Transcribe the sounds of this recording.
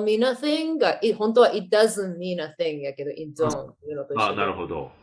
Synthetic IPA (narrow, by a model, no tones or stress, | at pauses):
minaθɪ̃ŋɡaʔithõnt̪oaʔit̚d̪azɨ̃nmĩnaθɪ̃ŋjaked̪oʔĩnd͡ʒõnɨnot̪oaːnaɾɯhod̪o̰